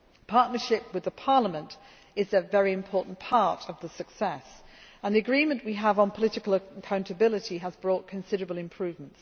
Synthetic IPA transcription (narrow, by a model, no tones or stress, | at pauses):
pʰɑɹʔⁿnəʃɪp̚wɨðəpʰɑɹləmə̃nt | ɪzɨvɛɹiɨ̃mpʰɔˑʔn̩pʰɑɹɾʌvðəsəksɛsə̃nðiəɡɹĩmə̃nʔwiəvn̩pʰəlɪtɪkəlˠəkʰãʊ̃ntəbɪlˠɪtiəzbɹɔˑt̚kʰə̃nsɪɾəɹəblˠɪ̃mpʰɹ̥ʉːvmə̃nts